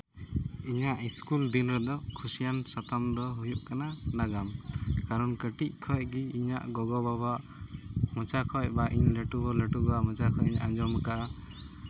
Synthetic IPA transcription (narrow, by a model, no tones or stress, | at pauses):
iɲaʔiskuld̪inɾɛd̪ɔkʰusijansat̪amd̪ɔɦujuʔkananaɡamkaɾɔnkəʈic̚ˀkʰɔjɡiiɲa̰ʔɡɔɡɔbabaʔ | mət͡ʃakʰɔjbaʔiɲlɛʈubɔlɛʈuɡamət͡ʃakʰɔjiɲʔaɲd͡ʒɔmkaʔa